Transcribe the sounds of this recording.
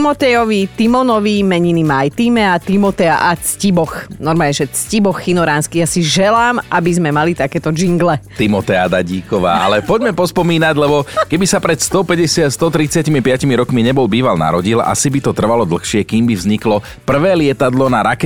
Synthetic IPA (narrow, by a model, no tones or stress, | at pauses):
mɔt̪ɛjɔʋit̪imɔnɔʋimɛɲinimajt̪iːmɛat̪imɔt̪ɛaʔat͡scibɔxnɔɾmaːlɲɛʒɛt͡scibɔxːinɔɾaːnskijaːsiʒɛlaːmʔabizmɛmalit̪akɛːt̪ɔd͡ʒiŋɡlɛt̪imɔt̪ɛad̪aɟiːkɔʋa̰ːa̰lɛpɔɟmɛpɔspɔmiːnaɟlɛbɔkɛbisapɾɛt̪st̪ɔpɛɟɛsɪast̪ɔt̪ɾit͡sɪacimipɪacimiɾɔkmiɲɛbɔlbiːʋalna̰ɾɔɟila̰sibit̪ɔt̪r̩ʋalɔd̪l̩xʃɪɛkiːmbivzɲiklɔ | pr̩ʋɛːlɪɛt̪ad̪lɔnaɾakɛ